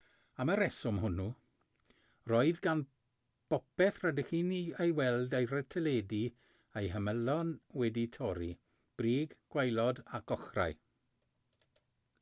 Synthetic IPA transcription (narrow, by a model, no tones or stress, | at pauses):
aməɾɛsʊmɦʊnu | rɔɨðɡan | b̥ɔpɛθrədɪχiniejwɛlˠdejrətʰəleːdi | ejɦəməlɔnwɛditʰɔɾi | b̥riːɡɡ̥wajlˠɔdaɡ̥ɔχra̰j